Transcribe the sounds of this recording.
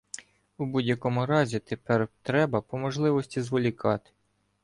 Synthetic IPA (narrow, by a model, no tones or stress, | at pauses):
ubudʲjɐkɔmʊɾɑzʲit̪epɛrt̪ɾɛbɐpɔmɔʒlˠɪʋɔsʲtʲizʋɔlʲikɑt̪ɪ̥